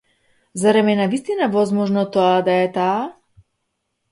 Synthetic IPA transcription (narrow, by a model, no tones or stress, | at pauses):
zaɾɛmɛnavist̪inavɔzmɔʒnɔt̪ɔad̪aɛt̪aː